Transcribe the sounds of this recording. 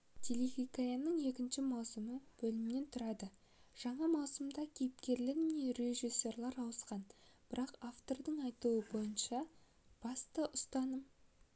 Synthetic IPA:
t̪ʲʰelixʲikajanːəɴe̞kʲɪnʃɪmɑwsəməb̥ɵlɪmɪne̞nt̪ʰʊɾɑd̪ə | ʒ̥ɑɴɑmɑwsəmd̪ɑkʲʰe̞jɪp̚kʲe̞ɾlɪɾneɾe̞ʒisʲːe̞rlˠɑɾɑwəsqɑnb̥ɪɾɑqaft̪o̞rd̪əɴɑjt̪uəbo̞jənʃɑ | b̥ɑst̪əʔʊst̪ɑnəm

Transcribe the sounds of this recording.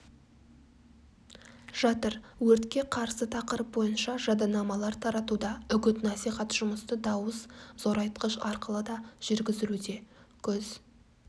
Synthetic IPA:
ʒ̥ɑt̪əɾwɵɾt̪kʲe̞qʰɑɾsət̪ʰɑqəɾəp̚bo̞jənʃɑʒɑd̪ɑnɑmɑlˠɑɾt̪ʰɑɾɑt̪ud̪ɑʏɡʲɪt̪nɑsijχɑt̪ʒ̥ʊməst̪əd̪ɑwəzzo̞ɾɑjt̪qəʃɑɾqəlˠəd̪ɑʒ̥ʏɾɡʲɪzɪlud̪e̞kʲʰɵz̥

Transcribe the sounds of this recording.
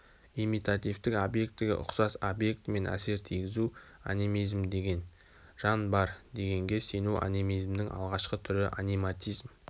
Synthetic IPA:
imijt̪at̪ijft̪ɪkobje̞k̚t̪ːɪɡʲɪ̰ʔʊ̰qsɑsobje̞k̚t̪me̞nʔæ̰se̞ɾt̪ʰijɡʲɪzu | a̰nʲimijzmd̪e̞ɡʲe̞n | ʒ̥ɑnbɑɾd̪e̞ɡʲe̞ŋɡʲe̞senuʔa̰nimijzmd̪ɪŋʔɑ̰lˠʁɑʃqət̪ʰʏɾɪʔanijmat̪ʲijzm

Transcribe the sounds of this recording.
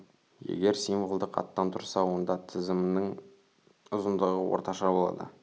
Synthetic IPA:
jḛɡʲe̞ɾsijmvolˠd̪əqɑ̰t̪ːɑnt̪ʰʊɾsɑwo̞nd̪ɑt̪ʰɪzɪmnəŋ | ʊzənd̪əʁəwo̰ɾt̪ɑʃɑbolˠɑ̰d̪ə̰

